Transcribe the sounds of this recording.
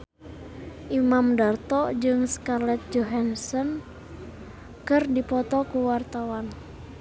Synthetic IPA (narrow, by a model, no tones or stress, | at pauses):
ʔimamdart̪ɔd͡ʒɨŋskalɛt̪̚d͡ʒɔɦansɔn | kɨrdipɔt̪ɔkuwart̪awan